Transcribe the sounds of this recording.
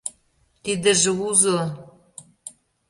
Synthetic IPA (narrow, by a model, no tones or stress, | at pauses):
t̪id̪ə̆ʒĕuzɤ̆